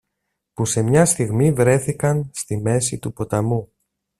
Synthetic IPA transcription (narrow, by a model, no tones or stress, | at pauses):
puse̞mɲɐst̪iɣmivɾe̞θikɐnst̪ime̞sit̪upo̞t̪ɐmu